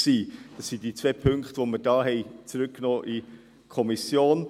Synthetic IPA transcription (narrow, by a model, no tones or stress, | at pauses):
siːd̥ɑsːidiːt͡sveːpʰʏŋkχtʋoməɾd̥ɑːɦɛɪt͡sɾʉkkːnoːʔi | kʰɔmisjoːn